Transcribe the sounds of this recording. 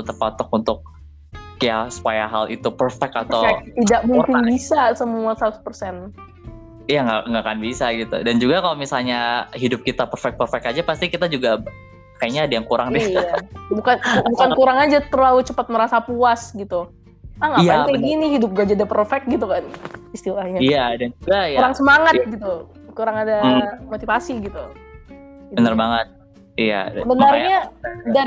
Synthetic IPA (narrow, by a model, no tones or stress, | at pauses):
t̪ərpɔt̪ɔkunt̪ʊk̚ | jasə̥pajaɦalḭt̪upərfɛk̚t̪at̪awt̪idaʔmuŋkɪnbisasəmuasat̪uspərsɛn | ijaŋɡaŋɡakanbisaɡit̪ṵdand͡ʒuɡakalomisalɲaɦidʊp̚kit̪apərfɛk̚t̚pərfɛk̚ad͡ʒapast̪ikit̪ad͡ʒuɡa | kajaɲaːdijaŋkuɾaŋnijabukanbukankuɾaŋad͡ʒat̪ərlalut͡ʃəpat̪̚məɾasapuasɡit̪u | aŋapaɛkaɡiniɦidʊp̚ɡad͡ʒadapərfɛk̚ɡit̪̬ukanist̪ilahɲaijadaŋd͡ʒuɡajkuɾaŋsəmaŋat̪̚ɡit̪u | kuɾaŋadamot̪ifasiɡit̪u | ibənərbaŋət̪̚ | ija̰səbənərɲada